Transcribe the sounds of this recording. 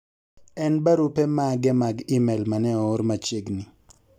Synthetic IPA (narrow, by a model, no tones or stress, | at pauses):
ɛnbaɾupɛmaɡɛmaɡimɛlmanɛɔoɾmat͡ʃeɡnɪ